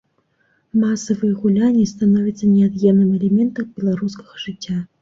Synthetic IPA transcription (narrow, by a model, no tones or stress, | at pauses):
masɐvɨjɛɣulʲanʲist̪anɔvʲit̪sːɐnʲɛad̪jɛmnɨmɛlʲɛmʲɛnt̪ɐwbʲɛlˠaɾuskɐ̥ɣɐʐɨt͡sʲːa